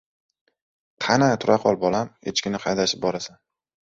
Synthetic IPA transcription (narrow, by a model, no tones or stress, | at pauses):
qʰɑnat̪ʰʊɾaqʰɒlˠbɒlamet͡ʃkʲɪnɪqʰɑjd̪aʃɪp̚bɒɾasan